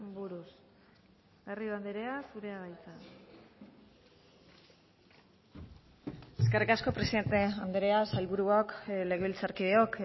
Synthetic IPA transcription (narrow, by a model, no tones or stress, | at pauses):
buɾus | ɣerioand̪eɾe̞asuɾe̞aɣajt͡sa | e̞ske̞rikasko̞pɾesiðe̞nt̪e̞and̪eɾe̞asajlβuɾuakle̞ɣe̞ilt͡saɾkiðeo̞k